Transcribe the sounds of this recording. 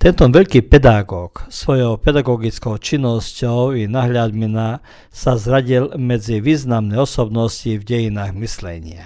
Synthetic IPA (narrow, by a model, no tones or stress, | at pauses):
t̪ɛnt̪ɔʋɛʎkiːpɛd̪aɡɔːksʋɔjɔʊpɛd̪aɡɔɡit͡skɔʊt͡ʃinːɔscɔʊinaɦʎad̪mina | sazɾaɟilmɛd͡ziʋiːznamnɛɔsɔbnɔscivɟɛjinaːɣmislɛ̰ɲɪa̰